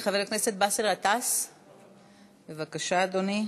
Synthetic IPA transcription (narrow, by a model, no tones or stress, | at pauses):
χaveʁkneset̪̚baselʁat̪as | bevakaʃaːd̪oni